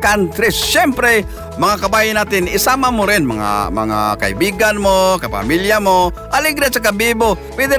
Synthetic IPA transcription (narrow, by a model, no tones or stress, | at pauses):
kant̪ɾɛɛmpɾɛ | mɐŋakabajɪnaːt̪ɪnɪsamamoɾɪnmaŋa̰ma̰ŋa̰kaḭbiɡanmokapa̰miljamo | ʔaliɡɾasakabibo | pwɛd̪ɪ